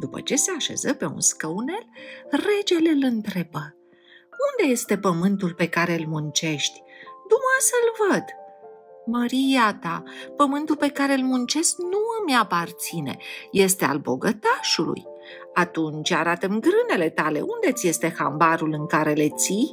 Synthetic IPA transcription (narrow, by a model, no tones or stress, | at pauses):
d̪upə̰t͡ʃe̞se̞aʃe̞̰zəpe̞ṵnskəune̞lre̞d͡ʒe̞lelɨnt̪ɾe̞bə | und̪e̞je̞st̪e̞pəmɨnt̪ulpe̞kaɾeɨlmunt͡ʃe̞ʃt̪ʲd̪umasəlvəd̪ | məɾijat̪apəmɨnt̪ulpe̞kaɾe̞ɨlmunt͡ʃe̞sknuɨmjapart̪sine̞̰je̞st̪e̞a̰lbo̞̰ɡət̪aʃulṵj | at̪unt͡ʃʲaɾat̪əmɡɾɨne̞le̞t̪ale̞̰ʔund̪e̞t̪sʲje̞st̪e̞xa̰mbaɾulɨŋkaɾe̞le̞t̪sij